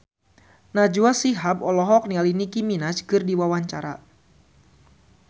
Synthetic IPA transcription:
nad͡ʒuasiɦapɔlɔɦɔk̚nialinikiminat͡ʃkɨrdiwawaɲt͡ʃaɾa

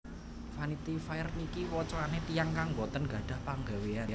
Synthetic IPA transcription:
fanit̪ifajrnikiwɔt͡ʃɔanet̪ijaŋkaŋbɔt̪ənɡ̥ä̤ɖ̥a̤hpaŋɡawea

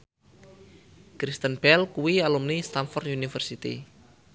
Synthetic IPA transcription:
kɾist̪ənb̥ɛlkuwialumnist̪anfɔrt̪unifərsit̪ḭ

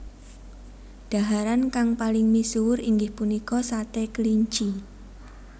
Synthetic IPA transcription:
ɖ̥a̤ɦaɾankaŋpalɪŋmisuwʊɾiŋɡɪhpunikɔsat̪ekəliɲt͡ʃi

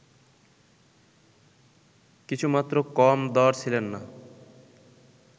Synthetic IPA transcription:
kit͡ɕʰumat̪ːɾokɔmd̪ɔɾt͡sʰilenːa

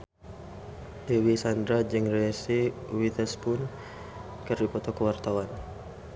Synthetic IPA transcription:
lewisand̪ɾad͡ʒɨŋrɛsiwit̪ɛspʊn | kərdipɔt̪ɔkəwart̪awan

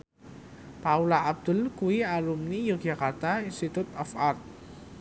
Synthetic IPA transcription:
paulaʔab̚d̪̥ʊ̤lkuwialumnijukd͡ʒakart̪ainst̪it̪ut̪ɔfart̪̚

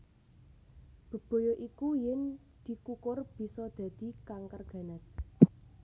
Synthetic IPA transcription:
b̥ə̤b̥o̤joʔikujɪn | d̪̥i̤kukʊrb̥i̤sɔd̪̥ä̤d̪̥i̤kaŋkərɡ̥ä̤nəs

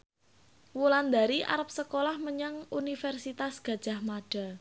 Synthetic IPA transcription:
wuland̪aɾiʔa̰ɾəp̚səkolahməɲaŋunifɛrsit̪asɡ̥ä̤d̥ʒ̥a̤hmaɖ̥a̤

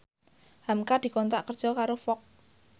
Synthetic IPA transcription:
hamkad̪̥i̤kɔnt̪ɾaʔkərd̥ʒ̥ɔ̤kaɾofɔk̪̚

